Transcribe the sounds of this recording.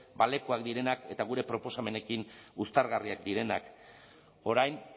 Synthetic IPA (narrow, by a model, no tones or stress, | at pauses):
bale̞koakd̪iɾe̞nake̞t̪aɣ̞uɾe̞pɾo̞po̞same̞ne̞kinust̪aɾɣariak̚d̪iɾe̞nak | o̞ɾajn